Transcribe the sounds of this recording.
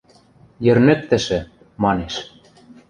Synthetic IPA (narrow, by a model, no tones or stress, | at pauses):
jɘ̆rnɘ̆k̚t̪ɘ̆ʃɘ̆ | mɑneʃ